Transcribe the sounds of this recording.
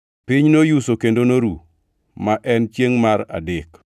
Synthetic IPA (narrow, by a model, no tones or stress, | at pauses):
pɪɲnojusokendonoɾu | maʔɛnt͡ʃjeŋmaɾa̰dɪk